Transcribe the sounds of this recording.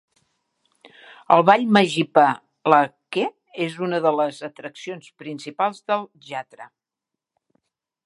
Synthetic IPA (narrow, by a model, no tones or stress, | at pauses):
əlˠβaʎməʒipə | ləke | ezunəðələzət̪ɾəksionspɾinsipalˠzðəlˠʒat̪ɾə